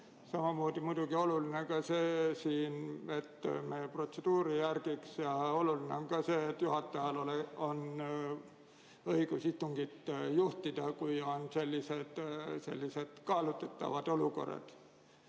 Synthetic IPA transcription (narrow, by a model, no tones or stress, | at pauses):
sɑmɑmo̞ːd̪imujd̪uɡ̥io̞lulinekɑseːsiːne̞t̪ːmeːpro̞t̪se̞d̪̥uːɾijærɡ̥iksjɑo̞lulinḛoŋkɑse̞ːt̪ːjuɦɑt̪ːˑɑjɑlo̞leo̞n | ɤiɡ̥usit̪ːuŋɡ̥it̪juht̪id̪̥ɑkujo̞nse̞lʲːised̪̥se̞̰lːise̞d̪̥kɑːlut̪ːˑet̪ˑːɑ̰vɑd̪o̞luko̞̰rːɑ̰d̪̥